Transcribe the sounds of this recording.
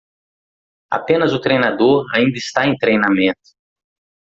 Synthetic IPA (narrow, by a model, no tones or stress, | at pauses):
a̰pẽnɐzʊt̪ɾejnad̪oɾa̰ĩnd̪ɐɪst̪aẽj̃t̪ɾejnamẽt̪ʊ̥